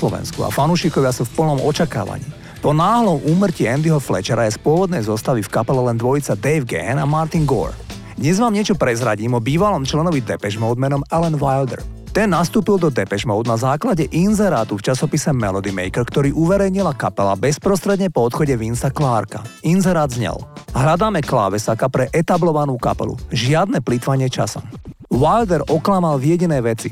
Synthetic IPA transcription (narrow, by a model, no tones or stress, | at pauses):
lɔʋɛ̰nskua̰fanuʃikɔʋɪasufpl̩nɔmɔt͡ʃaka̰ːʋa̰ɲḭː | pɔnaːɦlɔmuːmr̩ciɛnd̪iɦɔflɛ̰t͡ʃɛɾajɛspʊɔʋɔd̪nɛjzɔst̪aʋifkapɛlɛlɛnd̪ʋɔjit͡sad̪ɛɪʋɡɛ̰namaɾt̪iŋɡɔ̰ɾ | d̪ɲɛzʋaːmɲɪɛt͡ʃɔpɾɛzɾaɟiːmɔbiːʋalɔmt͡ʃlɛnɔʋid̪ɛpɛʒmɔʊd̪mɛnɔmɛlɛnʋajld̪ɛ̰ɾ | t̪ɛnːast̪uːpild̪ɔd̪ɛpɛʒmɔʊd̪nazaːklaɟɛʔinzɛɾaːt̪uft͡ʃasɔpisɛmɛlɔd̪imɛ̰jkɛɾkt̪ɔɾiːʔuʋɛɾɛjɲilakapɛla̰bɛspɾɔst̪ɾɛd̪ɲɛpɔɔt̪xɔɟɛʋinsaklaːɾka̰inzɛɾaːd̪zɲɛ̰lɦlad̪aːmɛkla̰ːʋɛsakapɾɛʔɛt̪ablɔʋanuːka̰pɛ̰lṵʒɪad̪nɛplit̪ʋaɲɪɛt͡ʃa̰sɔ̰mʋajld̪ɛɾʔɔklamalvjɛɟinɛːʋɛt͡sḭ